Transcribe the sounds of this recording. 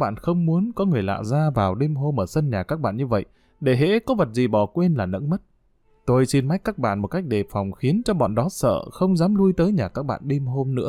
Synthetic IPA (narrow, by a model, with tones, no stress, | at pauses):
ɓa̰ː˧˨nxə˧wŋ͡mmu˨˦ənkɔ˨˦ŋɨ˨˩əjla̰ː˧˨zaː˧vaː˨˩wɗe˧mɦo˧mʔəː˧˩sə˧nɲaː˨˩kaː˦˥k̚ɓa̰ː˧˨nɲɨ˧və̰˧˨j | ɗe˧˩ɦḛ˧˥kɔ˨˦və˨˩t̚zi˨˩ɓɔ˧˩kwe˧nlaː˨˩nə̰˧˥ŋmə˦˥t̚ | t̪o˧jsi˧nma˦˥k̟̚kaː˦˥k̚ɓa̰ː˧˨nmo˨˩t̚ka˦˥jk̟̚ɗe˨˩fa˨˩wŋ͡mxi˨˦ənt͡ɕɔ˧ɓɔ̰˧˨nɗɔ˨˦sə̰ː˧˨xə˧wŋ͡mzaː˨˦mlu˧jt̪əː˨˦jɲaː˨˩kaː˦˥k̚ɓa̰ː˧˨nɗe˧mɦo˧mnɨ̰˧˥